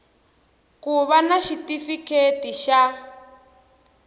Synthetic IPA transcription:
kuβanaʃitifikʰetiʃa

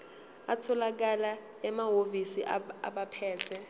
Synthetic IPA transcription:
atʰɔlak̬ala | ɛmaɦovisiʔaa̰ɓapʰɛːtʰɛ

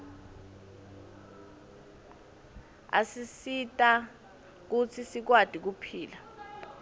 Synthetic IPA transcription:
a̰sisitʼa | k̬ut͡sʰisik̬wad̥ʱik̬upʰiːla

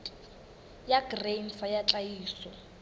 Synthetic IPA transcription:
jaɡreɱfajat͡ɬʼaiːsɔ

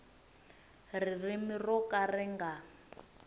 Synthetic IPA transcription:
ririmirɔkʼarɛŋɡa

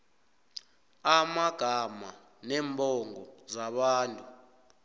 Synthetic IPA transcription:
amaɡ̥ʱama̰ | nɛːmbʱɔŋɡɔzaɓaːntʼu

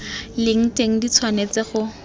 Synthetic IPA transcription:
lɪŋ̩teŋ̩dit͡sʰwanet͡sɪχʊ

